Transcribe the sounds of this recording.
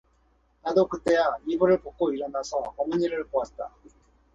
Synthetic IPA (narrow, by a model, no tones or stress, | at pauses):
nadokɯt͈e̞jaibuɾɯɭpok̚k͈oiɾʌnasʰʌʌmʌɲiɾɯɭpoat̚t͈a